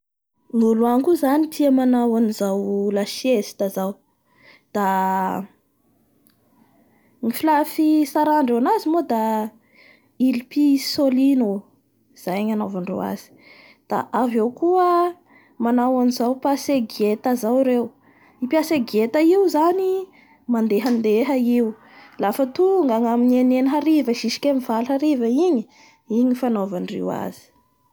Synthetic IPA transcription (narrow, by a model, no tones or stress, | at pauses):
ŋuluaŋkuzanit̪ʰiamanawanizawlaʃiesi̥t̪azaw | d̪̥a | mifilafisaɾaɳɖ͡ʐewnazimod̪a | ilipisolino | z̥ajaɲanavaɳɖ͡ʐo̰wa̰z̥i̥ | d̪̥a̰ʔavewkuə | manawanizawpaseɡet̪azawɾew | ipiaseɡet̪əiwzani | mand̪eɦənd̪eɦəiw | lafət̪uŋɡaŋaminenenɦaɾivəʃiʃi̥kʲemivalɦaɾivəiɲi | iɲifanovanrḛwa̰z̥i̥